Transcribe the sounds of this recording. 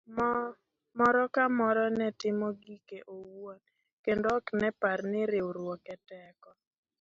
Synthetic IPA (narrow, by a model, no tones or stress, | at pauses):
mɔɾɔkamɔɾɔnɛtɪmɔɡikeʔowon | kendoːknɛparnɪɾɪoɾwɔkɛtɛkɔ